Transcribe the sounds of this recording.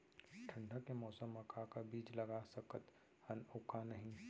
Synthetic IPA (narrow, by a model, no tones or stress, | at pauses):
ʈʰə̃ɳɖʱəkːemɔːsəmːɐkakabiːd͡ʒlɐɡasɐkət̪ | hɐnʊːkanɐɦĩ